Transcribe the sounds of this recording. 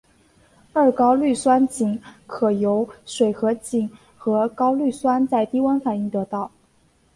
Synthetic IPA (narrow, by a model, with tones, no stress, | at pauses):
ə˞˥˩kɑ˥ʊly˥˩swa˥nt͡ɕi˨˩˦ŋkʰɤ˨˩jo˧˥ʊʂwe˨˩ɪxɤ˧˥t͡ɕi˨˩n | xɤ˧˥kɑ˥ʊly˥˩swa˥nt͡sa˥˩ɪt̪i˥wa˥nfa˨˩ni˥˩ŋt̪ɤ˧˥t̪ɑ˥˩ʊ